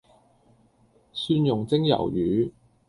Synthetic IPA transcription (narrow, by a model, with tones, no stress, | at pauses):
syː˥njʊ˨ŋt͡sɪ˥ŋjɐ̰˨˩wjyː˨˦